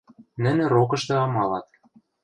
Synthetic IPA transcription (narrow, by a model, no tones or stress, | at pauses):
nɘ̆nĕɾokɤ̆ʃt̪ɤ̆ɑmɑlɑt̪̚